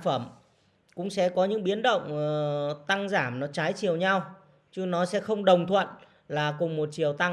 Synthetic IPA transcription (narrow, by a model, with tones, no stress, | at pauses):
fə˧˩m | kʊ̰˧˥ŋ͡msɛ̰˧˥kɔ˨˦ɲɨ̰˧˥ŋɓi˨˦ənɗə̰˧˨wŋ͡mt̪a˧ŋzaː˧˩mnɔ˨˦t͡ɕaː˨˦jt͡ɕi˨˩əwɲa˧w | t͡ɕɨ˧˥nɔ˨˦sɛ̰˧˥xə˧wŋ͡mɗə˨˩wŋ͡mt̪ʰwə̰˧˨n | laː˨˩kʊ˨˩ŋ͡mmo˨˩t̚t͡ɕi˨˩əwt̪a˧ŋ